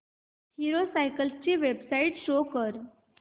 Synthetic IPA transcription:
hiɾosajkəlst͡ɕiʋebsaiʈʃokəɾ

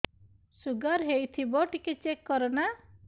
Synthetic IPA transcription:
suɡaɾɦejt̪ʰibɔʈiket͡ʃekːɔɾɔna

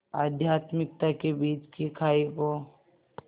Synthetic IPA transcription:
aːd̪ʱjaːt̪mɪk̚t̪akebiːt͡ʃkikʰaːiko

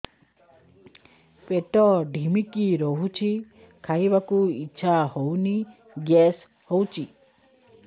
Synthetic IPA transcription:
peʈɔɖʱimikiɾoɦut͡ʃʰi | kʰaibakuiːt͡ʃʰaɦowni | ɡɛs | howt͡ʃʰi

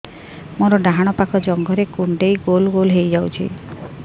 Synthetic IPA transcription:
moɾɔɖaɦaɽ̃ɔpakɔd͡ʒɔŋɡɔɾekuɳɖejɡolɡolɦejd͡ʒawt͡ʃʰḭ

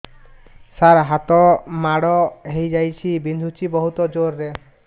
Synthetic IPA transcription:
saɾɦat̪ɔmaɽɔɦejd͡ʒajt͡ʃʰibind̪ʱut͡ʃʰibɔɦut̪ɔd͡ʒoɾːe

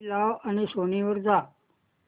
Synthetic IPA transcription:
laʋañisoniʋəɾd͡za

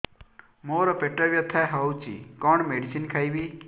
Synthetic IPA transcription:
moːɾɔpeʈːɐʋjɐt̪ʰːaɦɐwt͡ʃḭkɔɳmeɖisinkʰajbi

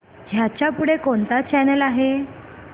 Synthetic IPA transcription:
d͡ʑʱjat͡ɕjapuɽekont̪at͡ɕɛnəlaɦe

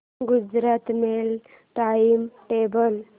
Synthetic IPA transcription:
ɡud͡ʒɾat̪mel | ʈaimʈebəl

